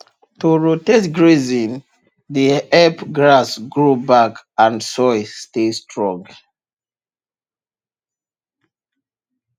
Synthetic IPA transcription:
tuɹotɛtɡɹezĩn | diɛpɡɹasɡɹubakãnsɔjstestʰɹɔ̃ŋɡ

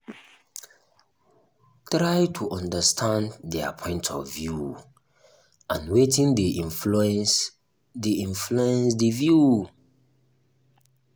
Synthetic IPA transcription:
tɾajtʰuʔɔ̃ndəstʰãnddɛa̰pʰɔ̃ɪ̃ntʰɔ̰vːju | ãnwetĩndeʔĩuɛ̃s | deĩnfluɛ̃nsdevju

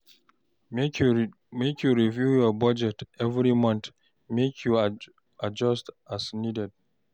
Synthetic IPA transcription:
j | mekʰjuɹivjujɔbʌd͡ʒɛtɛvɹimʌ̃nt̪ | mekʰju | ad͡ʒʌstasnidɛd̚

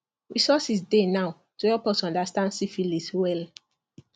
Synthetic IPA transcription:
ɹisɔsisdenaʊ | tujɔpɔsɔ̃ndastãnsifiliswɛl

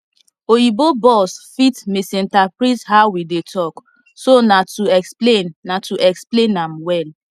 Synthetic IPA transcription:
ojibobɔsfitmisĩntapɾithaʊwidetʰɔk | sonatuɛksplenːatuʔɛksplẽnamwɛl

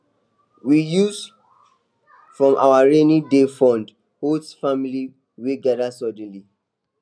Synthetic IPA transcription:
wijus | fɹɔ̃mʔa̰waɹenidefɔ̃nd | hotsfamili | weɡadasɔd̃n̩li

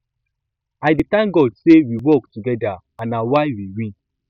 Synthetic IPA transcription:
aɪditãŋɡɔdsewiwɔktuɡɛda | ãnawaɪwiɹĩn

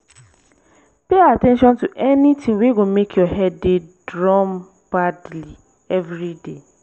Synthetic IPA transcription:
peatɛ̃nʃɔ̃ntuʔɛnitĩŋweɡomekʰjɔɦɛdːedɹɔm | b̥adli | ɛvɾide

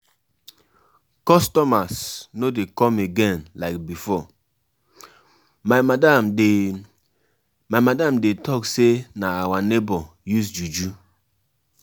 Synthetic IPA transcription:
kɔstɔmasnodekɔ̃meɡɛ̃nlaɪk̚bifɔ | maada | majmadãmdetʰɔksenaawanebɔ | jus̬d͡ʒud͡ʒu

